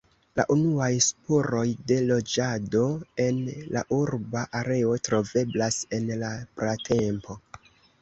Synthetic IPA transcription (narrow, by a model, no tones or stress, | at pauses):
la̰ʔunuajspoɾo̞jde̞lo̞d͡ʒado̞e̞nla̰ʔuɾbaʔaɾe̞o̞tɾo̞ve̞blase̞nlapɾatʰe̞mpo̞